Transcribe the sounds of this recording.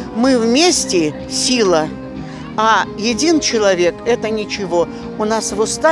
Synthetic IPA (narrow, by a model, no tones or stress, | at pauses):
mɨvmʲesʲtʲɪ | sʲilˠə | ajɪdʲint͡ɕɪlˠɐvʲe̞kɛt̪ənʲɪt͡ɕɪvo̞ | ʊnasvʊst̪a